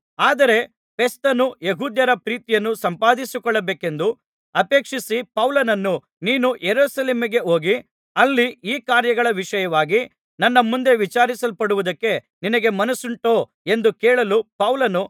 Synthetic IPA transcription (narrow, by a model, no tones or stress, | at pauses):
aːd̪ɐɾe̞ | pʰe̞st̪ɐnujeɦuːd̪jɐɾɐpɾiːt̪ijɐnːusɐmpaːd̪isukɔɭːɐbeːke̞nd̪u | ɐpe̞ːkʂisipɐwlɐnɐnːu | niːnujeɾuːsɐleːmiɡe̞ɦo̞ːɡi | ɐlːiiːkaːɾjɐɡɐɭɐʋiʂɐjɐʋaːɡi | nɐnːɐmund̪e̞ʋit͡ʃaːɾisɐlpɐɽuʋud̪ɐkːe̞ | ninɐɡe̞mɐnɐsuɳʈoː | e̞nd̪ukɛːɭɐlupɐwlɐnu